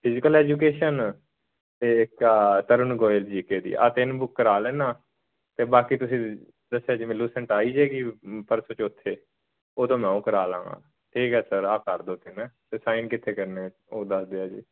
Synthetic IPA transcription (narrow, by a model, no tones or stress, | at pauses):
pʰɪzɪkəlɛːd͡ʒuːk̬eːʃən | t̪eːɪkːt̪əɾənɡoːɪld͡ʒiːkeːd̪ḭːʔa̰ːt̪ɪnbʊkːəɾaːlɛːnaː | t̪eːbaːkiːt̪ʊsĩː | d̪əsːeaːd͡ʒimɪlːuːsəɳʈaːiːd͡ʒeːɡiːpəɾsot͡ʃʊt̪ʰːeː | oːt̪õːmɛ̃ːõːkəɾaːlã̰ːŋɡã̰ː | ʈʰiːkɛːsəɾaːpkəɾd̪oːt̪ʰːeːnɛ̃ːt̪eːsaːinkɪt̪ʰːeːkəɾneːt͡ʃoːd̪əsd̪eːaːd͡ʒḭː